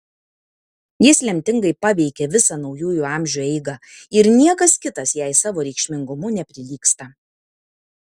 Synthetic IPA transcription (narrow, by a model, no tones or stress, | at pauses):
jɪslʲɛmʲt̪ʲɪŋɡɐɪpɑːʋʲɛɪkʲeːʋʲɪsɑnɒʊjuːjʊɑˑmʲʒʲuɛɪɡɑɪɾnʲiɛkɐskʲɪt̪ɐsjæɪsɑːʋoːɾʲɛɪkʃʲmʲɪŋɡʊmʊnʲɛpʲɾʲɪlʲiːkst̪ɐ